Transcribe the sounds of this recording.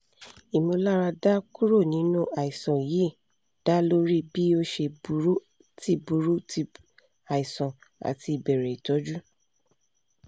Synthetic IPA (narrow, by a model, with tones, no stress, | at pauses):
i˨mo˧la˦ɾa˧da˦ku˦ɾo˦˨nĩ˨˦nũ˦ʔa˨i˨sɔ̃˨ji˨˦˨ | d̥a˦lo˦ɾi˦bi˦o˦ʃe˧bu˧˦ɾu˦ | ti˦bu˧˦ɾu˦ti˧ | a˨i˨sɔ̃˨a̰˨ti˧i˨bɛ˨ɾe˨i˨tɔ˨˦d͡ʒu˦